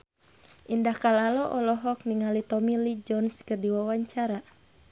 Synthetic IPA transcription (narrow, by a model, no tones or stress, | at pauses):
ʔindahkalalɔʔɔlɔɦɔk̚niŋalit̪ɔmilid͡ʒɔnskərdiwawaɲt͡ʃaɾa